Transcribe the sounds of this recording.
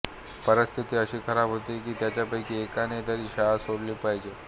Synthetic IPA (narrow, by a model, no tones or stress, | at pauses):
pəɾəst̪ʰit̪iːəɕiːkʰəɾabʱɦot̪ikiːt̪jat͡ɕjapəjkiːekanet̪aɾiːɕaɦasoɽliːpaɦjd͡ʑe